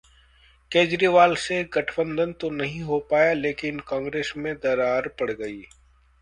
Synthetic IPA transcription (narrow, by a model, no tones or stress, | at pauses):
keːd͡ʒɾiːʋaːlseɡɐʈʰbə̃nd̪ʱənt̪onɐɦĩɦopaːjaleːkɪnkãːŋɡɾeːsmẽd̪ɐɾaːɾpɐɽɡɐiː